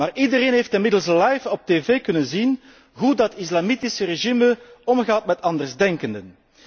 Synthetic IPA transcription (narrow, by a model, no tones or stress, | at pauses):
maːrʔidəɾeːnɦejftɪnmɪdəlˠslɑjfɔp̚teːveːkɵnənzin | ɦudɑtis̬lamitisəreʒiməɔmɣaːtmɛtɑndərzdɛŋkəndən